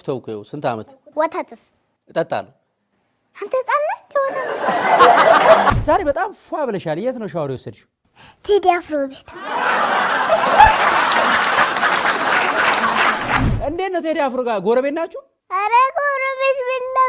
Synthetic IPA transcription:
t̪ʰɐwkʰojɛ̰wsɨnt̪ʰa̰mət̪wɔt̪ʰat̪ʰɨs | ɨt̪ʼət̪ʼːa̰lːə | ɨnt̪ʰət͡sʼanːad̪ihona | zaɾebət̪ʼamfuaβləʃalɨjɛt̪nəwʃawaɾiwɔsːəd̪ʃu̥ | t̪ʰed̪ijafɾobet̪ | ʔɨnd̪enət̪ʰed̪ijafɾoɡaɡoɾəbet̪nat͡ʃːu | ɐɾəɡoɾobet̪bɨlːɐ

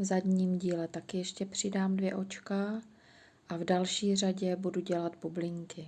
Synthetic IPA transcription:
vzadɲiːmɟiːlɛt̪akɪjɛʃcɛpr̝̥ɪdaːmdvjɛʔo̞t͡ʃka | ʔavdalʃiːr̝aɟɛbuduɟɛlat̪bublɪŋkɪ

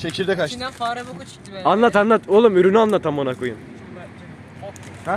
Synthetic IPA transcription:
ʃecʰʲiɾd̪ɛkaʃ | anlˠat̪anlˠat̪ulˠumyɾynyanlˠat̪ʰamonakʰujum

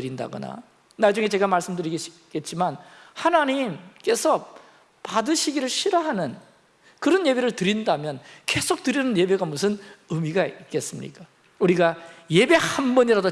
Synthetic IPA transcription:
ɾinda̰ɡo̰na̰ | naɭd͡ʑuŋe̞t͡ɕe̞ɡamaɭs͈ɯmdɯɾiɡeɕi̥ke̞t̚t͡ɕ͈iman | hanaɲimk͈e̞sʰʌ | padɯɕʰiɡiɾɯɭɕʰiɾʌɦanɯn | kɯɾʌnjebe̞ɾɯɭtɯɾindamjʌnke̞sʰok̚tɯɾjʌnɯnje̞be̞ɡamusʰɯnɯmiɡaik͈e̞s͈ɯmɲḭk͈a | uɾiɡaje̞be̞hambʌɲiɾado

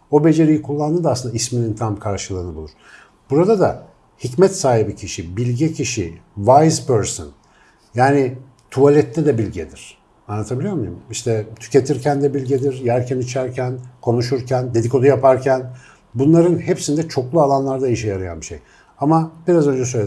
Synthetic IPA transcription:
o̞be̞d͡ʒe̞ɾijikʰulˠːand̪ɯd̪asɯnd̪aisminint̪ʰamkʰaɾʃɯlˠɯːnɯbulˠuɾ̥ | b̥uɾad̪ad̪a̰ | hicmɛt̪saːɦibicʰiʃibilʲɟɛcʰiʃḭvajzpøɾsɯ̰n | jaːnɪ | t̪ʰualʲɛt̪ʰːɛd̪ɛbilʲɟɛd̪iɾ̥ | anlːˠat̪ʰabilʲijo̞ɾmujṵmiʃt̪ʰɛt̪ʰy̥ce̞t̪ʰiɾcʰænd̪ɛbilʲɟed̪iɾjæɾcʰænit͡ʃʰæɾcʰænkʰo̞nuʃuɾcʰænd̪e̞d̪iko̞d̪ajapʰaɾcʰæn | bunlˠaɾɯnhepsind̪ɛt͡ʃʰo̞klˠualˠanlˠaɾd̪aiʃɛjaɾaja̰nbiʃḛj | amabiɾazø̞nd͡ʒɛs̬øjlʲe

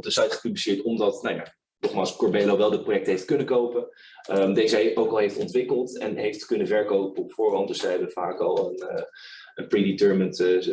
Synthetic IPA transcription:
p̚dəsɑjtχə̥pyblisɪːɹtɔmdɑtnaja̰ | nɔχmaːlˠskɔɹbɛloʋɛlˠdəprojɛk̚təɦejft̚kɵnəkowpə | ədejzəowkɑlˠɦejftɔntʋɪkəlˠtɛ̰nɦejftkɵnəvɛɹkowpəɔpfʊːɹɦɑntdɵsɛjɦɛbəv̥a̰ːkɑ̰lˠən | ənpriditəɹmənt

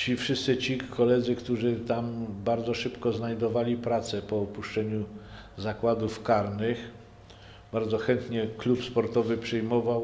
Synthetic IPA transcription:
t͡ɕifʂɘst̪sɘt͡ɕikʰɔlɛd̪zɘkt̪uʐɘt̪ambaɾd̪zɔʂɘpkɔznajd̪ɔvalʲipɾat̪sɛpɔɔpuʂt͡ʂɛɲu | zakwad̪ufkaɾnɘx | baɾd̪zɔxɛnt̪ɲɛklupspɔɾt̪ɔvɘpʂɛjmɔvaw

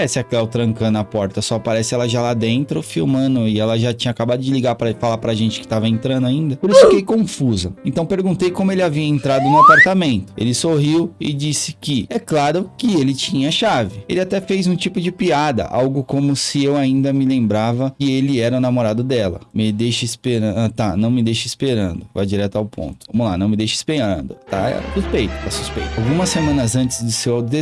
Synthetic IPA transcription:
ɛsɪaklɛwt̪ɾɐ̃ŋkɐ̃nʊɐapɔɾt̪ɐsɔpaɾɛsɪɛlɐʒalad̪ẽnt̪ɾʊfiwmɐ̃nʊɪɛlɐʒat͡ʃĩɲɐakabad̪ʊd͡ʒɪliɡaɾpɾɐfalapɾɐʒẽnt͡ʃɪ̥kɪ̥t̪avɐẽnt̪ɾɐ̃nd̪ʊaĩnd̪ɐpoɾisʊfikejkõfuzɐẽnt̪ɐ̃w̃peɾɡũnt̪ejkõmʊelɪaviɐẽnt̪ɾad̪ʊnʊapaɾt̪amẽnt̪ʊḛlɪsoɦiwɪ̰d͡ʒisɪ̥kɪɛklaɾʊkɪelɪt͡ʃĩɲɐʃavɪelɪat̪ɛfejzũt͡ʃipʊd͡ʒɪpiad̪ɐ̰ʔa̰wɡʊkõmʊsɪewaĩnd̪ɐmɪlẽmbɾavɐkɪelɪɛɾɐʊnamoɾad̪ʊd̪ɛlɐ̰mɪd̪ejʃɐispeɾɐ̃t̪anɐ̃w̃mɪd̪ejʃɐispeɾɐ̰̃nd̪ʊva̰jd͡ʒiɾɛt̪ʊawpʰõ̰t̪ʊvɐ̃mʊlanɐ̃w̃mɪd̪ejʃɪ̥speɐ̰̃nd̪ʊ̰t̪a̰suspejt̪ʊ̥t̪asu̥spḛjt̪ʊawɡũmɐsːemɐ̃nɐzɐ̃nt͡ʃɪzd͡ʒ̪ɪsewawt̪d̪e

